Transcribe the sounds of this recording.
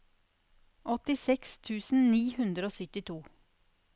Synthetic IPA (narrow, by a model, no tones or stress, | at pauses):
ʔɔt̪ɪsɛkst̪ʰʉːsn̩niːhʉnd̪ɾəoːsʏt̪ɪt̪ʰuː